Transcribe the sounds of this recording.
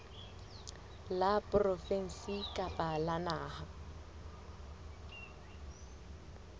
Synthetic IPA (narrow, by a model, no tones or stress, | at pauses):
lapʼrɔfɛn̩sikʼapʼalanaːha